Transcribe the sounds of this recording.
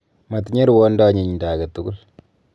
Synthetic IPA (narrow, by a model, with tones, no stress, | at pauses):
mɐ˨tɲe˦ɾwo˦nda˦ɲi˨ɲdaː˨ɡɐ˨tu˦ɡu˦l